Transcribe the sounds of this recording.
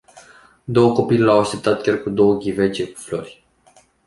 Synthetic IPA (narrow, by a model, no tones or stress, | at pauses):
d̪o̞wəko̞pilelawaʃt̪e̞p̚t̪at̪̚kʲarkud̪o̞wəɡʲivet͡ʃe̞ku̥flo̞̰rʲ